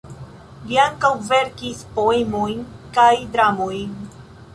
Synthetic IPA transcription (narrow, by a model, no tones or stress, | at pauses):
viaŋkawve̞ɾkispo̞emo̞jnkajdɾamojn